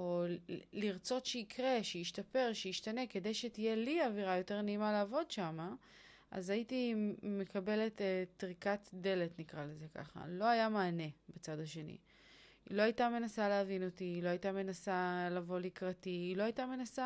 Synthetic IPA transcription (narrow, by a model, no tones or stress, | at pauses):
o̞liʁt͡so̞tʃeikʁe̞ʃeiʃtape̞ʁʃejiʃtane̞ke̞de̞jʃetije̞liaviʁajo̞te̞ʁneimaleːvo̞dʃama | ʔa̰zaitime̞kabe̞le̞tetʁikatde̞le̞tnikʁaleze̞ka̰χa̰lo̞ajamaːne̞bet͡sadaʃe̞nḭ | ḭlo̞ajtame̞nasaleavino̞tiːlo̞ajitame̞nasalavo̞likʁatiːlo̞ajitame̞nasa